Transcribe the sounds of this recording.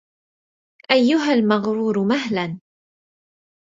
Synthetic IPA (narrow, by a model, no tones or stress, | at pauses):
ʔajːʊɦalmaɣɾuːɾmaɦlan